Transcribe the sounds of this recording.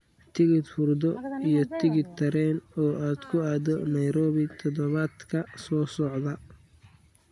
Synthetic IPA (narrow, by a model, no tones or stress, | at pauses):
t̪ʰɪɣɪd̪fʊrd̪ɔijɔt̪ʰɪɣɪd̪ʰɐɾɛːnɔːʔaːd̪kʰʊaːd̪ɔnɐjɾɔːβɪt̪ʰɔðɔβaːd̪kʰɐsɔːsɔʕðɐ